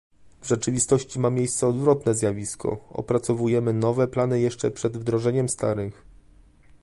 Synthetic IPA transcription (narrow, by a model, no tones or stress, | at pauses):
vʐɛt͡ʂɘvʲist̪ɔɕt͡ɕimamʲjejst̪sɛɔd̪vɾɔt̪nɛzʲjavʲiskʰɔ̰ɔ̰pɾat̪sɔvujɛmɘnɔvɛplanɘjɛʂt͡ʂɛpʂɛd̪vd̪ɾɔʐɛɲɛmst̪aɾɘx